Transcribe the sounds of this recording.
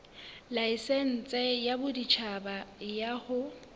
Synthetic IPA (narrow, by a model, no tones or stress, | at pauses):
laisɛn̩t͡sʼɛjabʊdit͡ʃʰabajahʊ